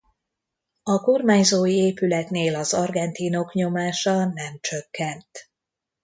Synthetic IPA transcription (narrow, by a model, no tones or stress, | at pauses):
ɒko̞rmaːɲzoːjieːpylɛt̪neːlɒzɒrɡɛnt̪iːno̞kɲo̞maːʃɒnɛmt͡ʃøkːɛnt̪